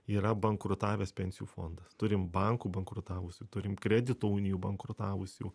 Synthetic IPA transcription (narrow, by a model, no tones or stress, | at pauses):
iːɾɐbɐŋkɾʊt̪ɑːʋʲeːspʲɛnʲsʲɪjuːfo̰ːnd̪ɐst̪ʊɾʲɪmbɐŋkuːbɐŋkɾʊt̪ɑːʋʊsʲuːt̪ʊɾʲɪmkɾʲɛd̪ʲɪt̪oːuːnʲɪjuːbɐŋkɾʊt̪ɑːʋʊsʲṵː